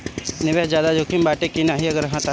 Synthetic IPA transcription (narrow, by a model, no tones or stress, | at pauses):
nɪʋeɦd͡ʒjaːd̪ad͡ʒokʰimbaːʈekinaɦiɐɡəɾɦãt̪a